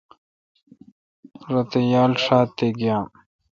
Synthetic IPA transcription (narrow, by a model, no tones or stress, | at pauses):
ɾɐt̪ejaːlʂaːt̪ːeɡjãː